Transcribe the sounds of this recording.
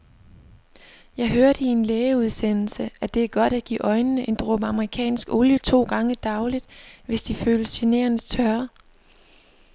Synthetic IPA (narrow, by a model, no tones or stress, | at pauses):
jɑ̈ɪɦøɐɾ̥əie̝nleːəuð̞ˠsen̰l̩səʔæd̥e̝æɐɡ̥ɒ̽ɾ̥æɡ̥ḭːʔɒ̽ɪnənəʔe̝nd̥ʁob̥əɑ̈məʁikʰɛ̰ːnsɡ̥o̝ljət͡sʰo̝̰ːɡ̥ɑ̈ŋəd̥ɑ̈ʊlid̥ʋe̝sd̥iføːləsene̝̰ːɐnət͡sʰɶɐ